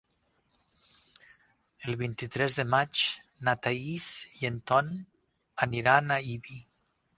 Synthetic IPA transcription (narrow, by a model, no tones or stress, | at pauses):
elˠβint̪it̪ɾɛzðəmat͡ʃ | nat̪aisient̪ɔn | aniɾanaiβi